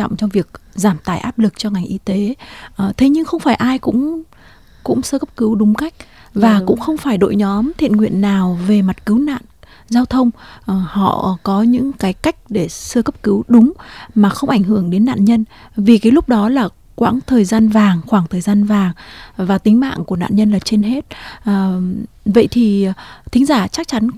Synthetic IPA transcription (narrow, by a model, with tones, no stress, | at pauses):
ɔ̰˧˨ŋ͡mt͡ɕɔ˧ŋ͡mvi˨˩ək̚zaː˧˩mt̪aː˧˩jʔaː˦˥p̚lɨ˨˩k̚t͡ɕɔ˧ŋa˨˩ŋ̟ʔi˧t̪e˨˦ʔt̪ʰe˨˦ɲɨ˧ŋxə˧wŋ͡mfaː˧˩jʔaː˧jkʊ̰˧˥ŋ͡m | kʊ̰˧˥ŋ͡msəː˧kə˦˥p̚kɨ˨˦wɗʊ˨˦ŋ͡mka˦˥jk̚ | vaː˨˩kʊ̰˧˥ŋ͡mxə˧wŋ͡mfaː˧˩jɗo̰˧˨jɲɔ˨˦mt̪ʰḭ˧˨ənŋwḭ˧˨ənːaː˨˩wve˨˩ma˨˩t̚kɨ˨˦wna̰ː˧˨n | zaː˧wt̪ʰə˧wŋ͡mhɔ̰˧˨kɔ˨˦ɲɨ̰˧˥ŋkaː˨˦jka˦˥jk̟̚ɗe˧˩sɨ˧əkə˦˥p̚kɨ˨˦wɗʊ˨˦ŋ͡mmaː˨˩xə˧wŋ͡mʔa˧˩jŋ̟ɦɨ˧˩əŋɗe˨˦nːa̰ː˧˨nɲə˧n | vi˨˩kaː˨˦jlʊ˦˥k͡p̚ɗɔ˨˦laː˨˩ | kwaː˧˥nt̪ʰəː˨˩jzaː˧nvaː˨˩ŋxwaː˧˩ŋt̪ʰəː˨˩jzaː˧nvaː˨˩ŋvaː˨˩t̪ï˨˦ŋ̟ma̰ː˧˨ŋku˧˩əna̰ː˧˨nɲə˧nlaː˨˩t͡ɕe˧nɦe˦˥t̚ː | və̰˧˨jt̪ʰi˨˩t̪ʰï˨˦ŋ̟zaː˧˩t͡ɕa˦˥k̚t͡ɕa˨˦n